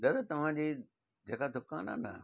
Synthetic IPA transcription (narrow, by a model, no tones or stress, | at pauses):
d̪ɐd̪t̪ɐʋ̤ãd͡ʑiː | d͡ʑeːkad̪ʱʊka̰ːna̰nɐ̰